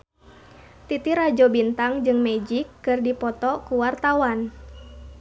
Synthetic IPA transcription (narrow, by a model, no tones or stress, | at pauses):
t̪it̪iɾad͡ʒɔbint̪aŋd͡ʒɨŋmɛd͡ʒikːɨrdipɔt̪ɔkuwart̪awan